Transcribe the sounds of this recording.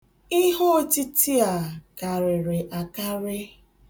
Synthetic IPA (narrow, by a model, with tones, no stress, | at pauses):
ɪ˦ɦo˦ti˦ti˦a˨ka˨ɾɪ˨ɾɪ˨ʔa˨ka˦ɾɪ˦